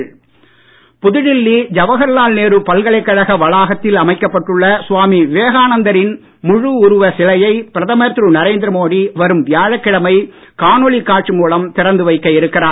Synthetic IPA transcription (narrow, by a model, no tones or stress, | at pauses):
pʊðɪɻɪlːid͡ʒɐʋɐɣɐɾlaːlneːɾɯpɐlɣɐɭɐɪkːɐɻɐɣɐʋɐɭaːɣɐt̪ːɪlɐmɐɪkːɐpːɐʈːɯɭːɐsʊʋaːmiʋeːɣaːnɐnd̪ɐɾɪn | mʊɻuʊɾʊʋɐsɪlɐjɐɪpɪɾɐðɐmɐɾt̪ɾɯnɐɾeːnd̪ɪɾɐmoːɽiʋɐɾɯmʋɪjaːɻɐkːɪɽɐmɐɪ | kaːnɔɭikːaːʈʂɯmuːlɐmt̪ɪɾɐnd̪ɯʋɐɪkːɐɪɾɯkːɪraː